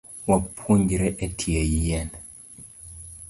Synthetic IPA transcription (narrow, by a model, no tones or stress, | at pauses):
wapʰuɲd͡ʒiɾɛʔɛtʰiɛjijɛn